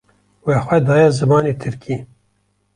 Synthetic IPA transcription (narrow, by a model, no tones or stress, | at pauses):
wexʷɛd̪ɑːjɛzɨmɑːnet̪ʰɨɾkʰiː